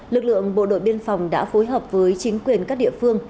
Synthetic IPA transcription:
lɨ˨˩k̚lɨ̰˧˨əŋɓo̰˧˨ɗo̰˧˨jɓi˧ənfa˨˩wŋ͡mɗa̰ː˧˥fo˨˦jɦəː˨˩p̚vəː˨˦jt͡ɕï˨˦ŋ̟kwi˨˩ənkaː˦˥k̚ɗḭ˧˨əfɨ˧əŋ

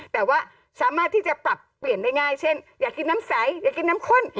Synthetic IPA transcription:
t̪ɛː˨˩waː˥˩ | saː˨˦maː˥˩t̪ʰːiː˥˩t͡ɕa˨˩pɾa˨˩pːli˨˩əndaː˥˩jŋaː˥˩jt͡ɕʰe˥˩njaː˨˩kːi˧naː˦˥msɛ˨˩˦jjaː˨˩kːi˧naː˦˥mkʰo˧˥˨n

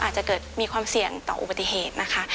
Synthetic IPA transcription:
a̰ː˨˩t̪̚t͡ɕa˨˩kɤː˨˩t̪̚miː˧kʰwaː˧msi˨˩əŋt̪ɔ̰ː˨˩ʔṵ˧ba˧t̪ːi˧ɦeː˨˩t̪̚na˦˥kʰa˦˥

